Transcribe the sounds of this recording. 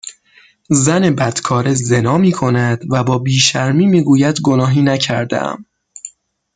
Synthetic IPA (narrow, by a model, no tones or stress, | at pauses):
zæne̞bæd̪̥kʰɒːɾeze̞nɒːmiːkʰo̞næd̪̥væbɒːbiːʃæɾmiːmiːɡuːjæd̪ɡo̞nɒːɦiːnæcʰæɾd̪ḛʔæ̰m